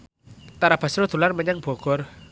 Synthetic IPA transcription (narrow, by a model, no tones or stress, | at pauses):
t̪aɾab̥a̤sɾod̪̥ṳlarməɲəŋb̥ɔ̤ɡ̥ɔr